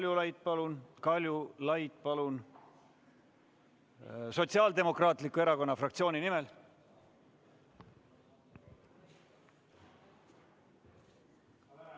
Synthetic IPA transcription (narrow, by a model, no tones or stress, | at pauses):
ljulɑjt̪̚pɑlunkɑlʲjulɑjt̪pɑlun | so̞t̪siɑːld̪e̞mo̞krɑːt̪likue̞ɾɑko̞nːɑfrɑk̚t̪sio̞ːninime̞l